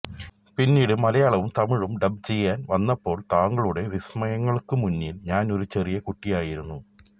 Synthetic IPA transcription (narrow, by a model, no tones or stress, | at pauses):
pinːiːɽɨmɐlɐjaːɭɐʋumt̪ɐmiɻumɖɐbt͡ɕe̞jːaːnʋɐnːɐpːo̞ːɭt̪aːŋɡɐɭuɽe̞ʋismɐjɐŋːɐɭkɨmunːilɲaːno̞ɾut͡ɕerijɐkuʈːijaːjiɾunːu